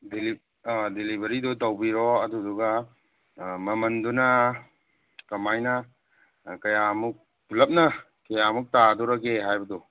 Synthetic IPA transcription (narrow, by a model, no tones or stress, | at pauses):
deli | delibɐɾidutawbiɾɔɐduduɡa | mɐmɐndunɐ | kɐmajnɐ | kɐjamuk̚ | lɐp̚nɐ | kɐjamuk̚taduɾɐkeɦajbɐdu